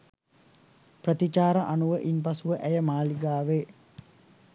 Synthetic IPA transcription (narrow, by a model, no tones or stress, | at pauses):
prət̪it͡ʃaːɾəʔanuʋəʔinpɐsuʋəʔæjəmaːliɡaːʋeː